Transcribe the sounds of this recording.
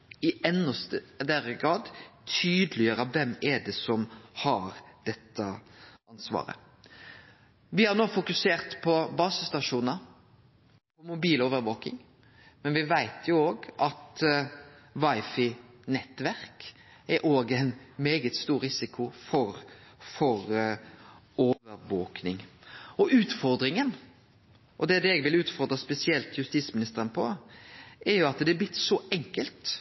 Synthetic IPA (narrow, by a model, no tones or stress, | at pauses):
ɪɛnːəst̪əd̪æɾəɡɾɑːd̪t̪ʰyːd̪əlɪəɾɑʋɛmɛdɛsɔmhɑɾd̪̥ɛt̪ːəɑnsʋɑ̰ːɾə̰ | ʋɪhɑɾnoːfʊkʉseːʁt̪pʰɔbɑːsəst̪ɑʂuːnə | pʰɔmʊbiːloːʋəɾʋoːkɪ̰ŋ | mɛnʋɪʋæɪt̪ʰjʊoːɡʔɑt̪ | ʋɑɪfɪ | nɛt̪ːʋæɾk | ɛɾʔoːɡæɪnmeːɡət̪st̪uːɾɾɪsɪkʰʊfɔɾfɔɾ | oːʋəɾʋoːknɪŋɔʔʉːt̪fɔɾd̪ɾɪŋən | ʔɔd̪ɛd̪ɛɛɡʋɪlʉːt̪fɔɾd̪ɾəspɛsɪɛlt̪jʉst̪iːsmɪnɪst̪əɾənpʰɔ | ʔɛɾjʊɑt̪d̪ɛæblɪt̪ːsɔɛŋkəlt̪